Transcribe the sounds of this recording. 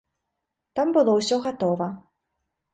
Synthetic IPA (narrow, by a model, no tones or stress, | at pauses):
t̪ambɨlˠɔwsʲɔɣat̪ɔvɐ